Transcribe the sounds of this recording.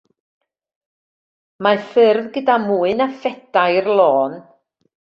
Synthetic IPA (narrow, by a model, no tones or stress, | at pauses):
mafɪrðɡədamuːɨnafɛd̥ajrlˠɔːn